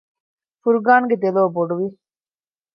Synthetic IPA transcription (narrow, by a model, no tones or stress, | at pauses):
fuɾɡaːnɡed̪eloːboɖuʋi